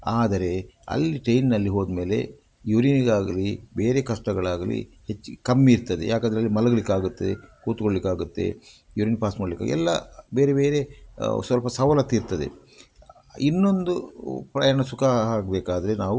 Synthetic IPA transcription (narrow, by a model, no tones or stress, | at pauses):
aːd̪ɐɾe̞ɐ̰lːiʈejnːɐlːiɦoːd̪me̞ːle̞̰ | juɾiniɡaːɡɐlibe̞ːɾe̞kɐʂʈɐɡɐɭaːɡɐlḭ | het͡ʃːikɐmːiːɾt̪ɐd̪e̞̰jaːkɐnd̪ɾɐlːimɐlɐɡɐɭikːaːɡut̪ːeekuːt̪koɭlikːaːɡut̪ːe̞̰ | juɾiːnpaːsmɐːɽlikːa̰ɡɛ̰lːɐbe̞ːɾe̞beːɾe̞sʋɐlpɐsɐʋɐlɐt̪ːiɾt̪ɐd̪ḛ | inːo̞nd̪upɾɐjaːɳɐsukʰaɦaːɡ̚beːkaːd̪ɐɾe̞naːʋu